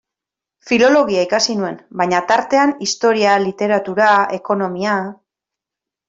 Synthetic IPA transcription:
filo̞lo̞ɣiaikasinue̞nbaɲat̪aɾt̪e̞anist̪o̞ɾialit̪e̞ɾat̪uɾae̞ko̞no̞mia

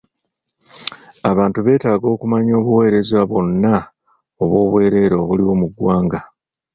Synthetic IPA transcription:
aβaːntuβe̞ːtaːɡo̞ːkumaɲo̞ːβuwe̞ːɾe̞zwaβo̞nːa | oβwo̞ːβwe̞ːɾe̞ɾoːβuliwo̞muɡwaːŋɡa

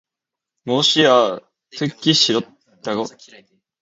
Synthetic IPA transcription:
moɕia | t̪ʰɯkʲːiɕiɾot̪ | d̪̥aɡo

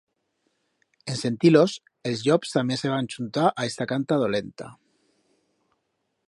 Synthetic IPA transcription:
ense̞nt̪ilos | elzʎɔpst̪ameseβ̞anʲt͡ʃunt̪aʔaest̪akant̪að̞olent̪a̰

